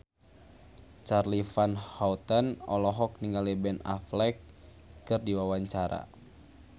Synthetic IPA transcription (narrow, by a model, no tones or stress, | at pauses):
t͡ʃarlifanhaut̪anɔ̰lɔɦɔk̚niŋɡalibɛna̰flɛkː | ɨrdiwawaɲt͡ʃaɾa̰